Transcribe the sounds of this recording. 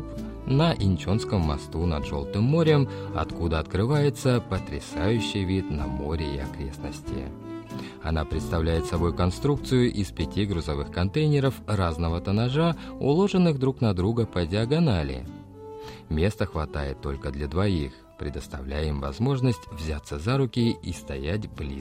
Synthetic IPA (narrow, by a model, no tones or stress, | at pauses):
nəʔɪnʲt͡ɕo̞nskəmːɐ̰st̪unɐ̰d̪ʐo̞lˠt̪ɨmːo̞ɾʲəmɐ̰t̪kud̪əɐt̪kɾɨvajɪt̪səpət̪ɾʲɪsajʉɕːɪjvʲit̪nɐ̰mo̞ɾʲɪɪ̰ɐ̰kɾʲe̞snə̰sʲtʲɪ̰ | ɐ̰napɾʲɪt̪st̪ɐvlʲæjɪt̪sɐbo̞jkɐnst̪ɾuk̚t̪sɨjʊʔɪspʲɪtʲiɡɾʊzɐvɨxkɐnt̪ejnʲɪɾəfraznəvət̪ənaʐaʊ̰lˠo̞ʐɨnːɨxd̪ɾuknɐd̪ɾuɡəpədʲɪɐɡɐnalʲɪ̰ | mʲe̞st̪əxvɐt̪ajɪt̪ːo̞̰lʲkəd̪lʲɐd̪vɐix | pɾʲɪd̪əst̪ɐ̰vlʲæjimvɐzmo̞ʐnəsʲtʲvzʲat̪sːəzaɾʊkʲɪist̪ɐjætʲblʲḭ